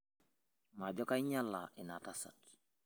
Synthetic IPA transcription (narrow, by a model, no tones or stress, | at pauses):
maɟokaiɲalːa̰ʔinatasa̰t